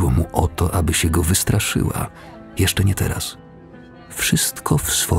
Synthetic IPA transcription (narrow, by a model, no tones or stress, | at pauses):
wɔmuʔɔt̪ɔʔabɘɕɛɡɔvɘst̪ɾʔaʂɘ̰wa̰ | jɛʂt͡ʂɛɲɛt̪ɛ̰ɾa̰s | fʂɘst̪kʰɔfsfɔ